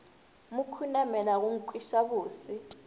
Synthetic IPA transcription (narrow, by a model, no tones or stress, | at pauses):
mukʰunamɛlaɣ̬uŋ̩kʼwiʃaβuːsi